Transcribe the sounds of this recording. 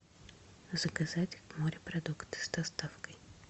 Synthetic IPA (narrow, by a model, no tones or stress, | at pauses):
zəɡɐzatʲɪxvmoɾʲɪpɾɐd̪ukt̪ɨ̥sd̪ɐst̪afkəj